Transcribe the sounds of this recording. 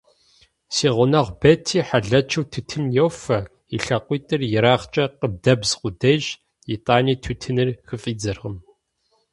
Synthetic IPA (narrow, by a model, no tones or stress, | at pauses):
siːʁʷʊnɐʁʷbɐtʰiːħaɮɐt͡ʃʰɨwtʰɨtʰɨmjɛwfɐ | iɬɐqʷiːtʼɨrjɪɾaːʁt͡ʃʼɐqəb̚dɐbzqʷʊdɐʒ | jitʼaːniːtʰuːtʰɨnɨrxɨfʼiːd͡zɨrʁəm